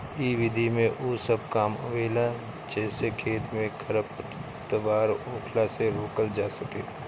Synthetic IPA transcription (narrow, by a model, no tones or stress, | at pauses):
iːʋɪd̪ʱimẽʔoːsəb̚kaːmə̰ʋeːla | d͡ʒɛːsekʰeːt̪mẽkʰəɾəpə | t̪ʋaːɾoːkʰlaseɾoːkəld͡ʒaːsəkeː